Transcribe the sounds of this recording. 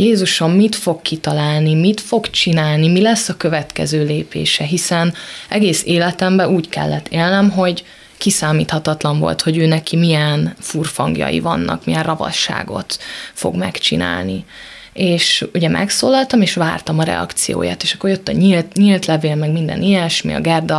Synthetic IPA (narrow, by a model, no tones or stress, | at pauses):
jeːzuʃommit̪fo̞kkːit̪ɒlaːlnimit̪fo̞ɡt͡ʃinaːlnimilɛsːɒkøvɛt̪kɛ̰zøːleːpḛːʃɛɦisɛnʔɛɡeːseːlɛt̪ɛmbɛuːckɛ̰lːɛt̪ːeːlnɛmɦo̞ɟ | kisaːmiːt̪hɒt̪ɒt̪lɒɱvo̞̰lt̪ho̞ɟøːnɛkʰimijɛnfurfɒŋɡjɒ̰jḭvɒ̰nːɒ̰kmijɛrrɒvɒ̰ʃːa̰ːɡo̞̰t̪fo̞̰ɡmɛ̰kt͡ʃḭna̰ːlni | eːʃuɟɛmʔɛ̰ksoːlɒlt̪ɒmeːʃʋa̰ːrt̪ɒmɒɾɛ̰ɒ̰kt̪sijo̰ːja̰ːt̪eːʃɒkːorjøt̪ːɒɲilt̪ɲilt̪lɛveːlmɛɡmind̪ɛ̰nijɛʃmḭɒ̰ɡɛrd̪ɒ